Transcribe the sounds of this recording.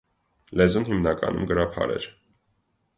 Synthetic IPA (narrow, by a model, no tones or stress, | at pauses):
lɛzunɦimnɑkɑ̰nṵmɡəɾɑpʰɑ̰ɾɛ̰ɾ